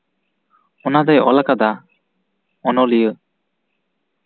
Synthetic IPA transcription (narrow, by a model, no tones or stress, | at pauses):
ɔnad̪ɛjɔ̰lakad̪a | ɔnɔlijə